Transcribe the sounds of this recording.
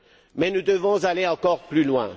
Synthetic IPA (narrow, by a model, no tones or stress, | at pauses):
mɛnud̪əvɔ̃zaleɑ̃kɔʁplylwɛ̃